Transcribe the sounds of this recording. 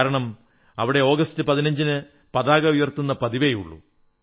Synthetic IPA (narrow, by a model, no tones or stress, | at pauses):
ɾɐɳɐm | ɐ̰ʋiɽe̞o̞ːɡɐstɨpɐðinɐɲd͡ʑinɨ | pɐðaːɡɐʋiʋɐrt̪unːɐpɐðiʋejṵɭːṵ